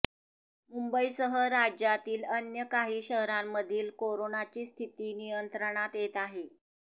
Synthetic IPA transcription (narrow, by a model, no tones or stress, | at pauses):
mumbəisəɦəɾad͡ʑjat̪iːlənjəkaɦiːɕəɦɾamːəd̪ʱiːlkoɾonat͡ɕiːst̪ʰit̪iːnijənt̪ɾəɳ̃at̪jet̪aɦe